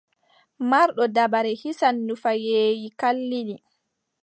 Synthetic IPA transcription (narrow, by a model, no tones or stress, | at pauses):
maɾɗɔdabaɾɛhisanːufajeːjikalːiɗi